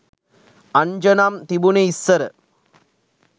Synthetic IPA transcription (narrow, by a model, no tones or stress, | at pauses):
ɐɲd͡ʒɐnaːmt̪ibuneisːɐɾə